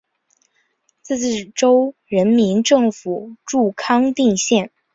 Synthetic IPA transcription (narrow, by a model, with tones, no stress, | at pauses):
t͡s̩˥˩˥ʈ͡ʂo˥ʊɻə˧˥nmi˧˥nʈ͡ʂɤ˥˩ŋfu˨˩˦ʈ͡ʂu˥˩kʰɑ˥ŋt̪i˥˧ŋɕjɛ˥˩n